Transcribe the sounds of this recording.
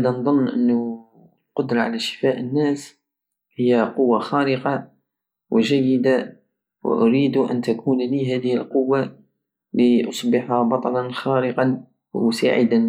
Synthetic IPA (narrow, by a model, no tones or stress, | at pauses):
d̪ænd̪ˤonːʔənːʊ | lqʊd̪ɾˤɑʕa̰læʃə̥faʔənːæːs | həjːaqʊwːaxæːɾəqɑ | wəʒæjːəd̪a | wə̰ʔʊɾiːd̪uʔænt̪akʰunliɦæd̪əhəlqʊwːa | liʔɑsˤbɪħhabɑt̪ˤɑlɑnxaɾəqɑn | sa̰ʕəd̪an